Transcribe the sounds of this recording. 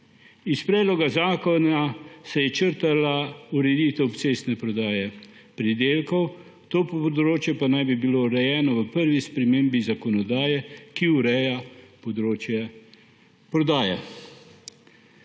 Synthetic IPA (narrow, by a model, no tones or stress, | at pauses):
ispɾɛːd̪lɔɡazaːkɔnasɛjɛt͡ʃəɾt̪alauɾɛd̪iːt̪ɛwpseːsnɛpɾɔd̪aːjɛ | pɾid̪eːlkɔw | t̪oːpɔd̪ɾoːt͡ʃjɛpanajbibilouɾɛjɛːnɔʋəpəɾʋispɾɛmeːmbizakɔnɔd̪aːjɛkiuɾɛjapɔd̪ɾoːt͡ʃjɛ | pɾɔd̪aːjɛ̰